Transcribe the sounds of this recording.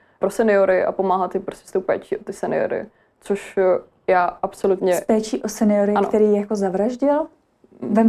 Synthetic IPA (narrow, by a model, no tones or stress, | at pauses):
pɾosɛnɪoɾɪʔa̰po̞maːɦat̪ɪpɾoscɛ̥st̪owpɛ̰ːt͡ʃiːʔot̪ɪsɛnɪ̰o̰ɾɪ̰ | t͡soʃ | jaːʔapsolut̪ɲɛspɛːt͡ʃiːʔosɛnɪoɾɪan̰t̪ɛɾiːjako̞zavɾaʒɟɪl | vɛm